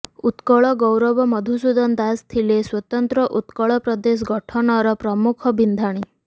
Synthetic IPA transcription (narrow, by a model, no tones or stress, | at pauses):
ut̪kɔɭɔɡɔwɾɔbɔmɔd̪ʱusud̪ɔnd̪ast̪ʰileswɔt̪ɔnt̪ɾɔʔut̪kɔɭɔpɾɔd̪es̬ɡɔʈʰɔnɔɾɔpɾɔmukʰɔbind̪ʱaɽ̃i